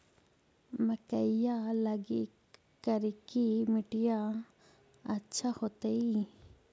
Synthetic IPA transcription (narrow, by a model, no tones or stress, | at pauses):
məkəijaləɡi | kəɾikimɪʈija | ɐtːʃʰahot̪ei